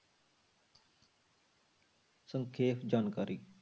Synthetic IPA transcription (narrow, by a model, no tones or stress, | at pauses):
səŋkʰeːpd͡ʒaːnkaːɾi